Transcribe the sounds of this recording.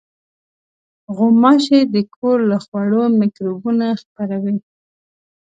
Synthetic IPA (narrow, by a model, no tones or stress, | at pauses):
ɣʊmɑʃed̪əkʰoɾlaxwaɽomɪkɾobunaxpaɾawi